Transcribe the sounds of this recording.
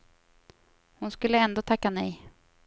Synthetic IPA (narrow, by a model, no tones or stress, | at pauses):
hʊnskɵlːəɛnd̪oːt̪ʰakːanɛj